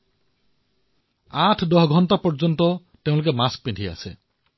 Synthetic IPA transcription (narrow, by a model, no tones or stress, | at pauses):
aʈʰd̪ɔɦɡʱɔntapɔɾd͡ʒɔnt̪ɔ | t̪eʊ̃luk̬emask̚piɖʱia̰se